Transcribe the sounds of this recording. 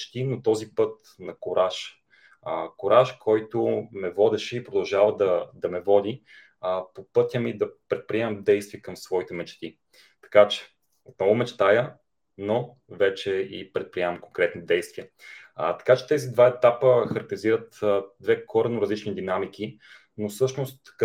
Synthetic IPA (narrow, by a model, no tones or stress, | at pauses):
t͡ʃt̪inot̪ɔzipɤt̪ | nɐkoɾaʃ | əkoɾʔaʃkʰɔjt̪ʊmɛvɔd̪ɛʃɛipɾod̪ɐlˠʒavəd̪ɐd̪ɐmɛvɔd̪i | popɤt̪ʲjəmid̪ɐpɾɛt̪̚pɾiɛmɛmd̪ɛjst̪viəkɐmsvɔit̪ɛmɛt͡ʃt̪i | t̪ɐ̥kat͡ʃɛ̥ | ot̪nɔvʊmɛt͡ʃɛ̥t̪ajə | no | vɛt͡ʃɛipɾɛt̪̚pɾiɛmɐmkoŋkɾɛt̪nid̪ɛjst̪viət̪ɐ̥kat͡ʃɛ̥t̪ɛzid̪vaɛt̪apəxəɾək̚t̪ɛziɾət̪d̪vɛkʰɔɾɐnoɾɐzlit͡ʃnid̪inamik̟i | nosɤʃnost̪k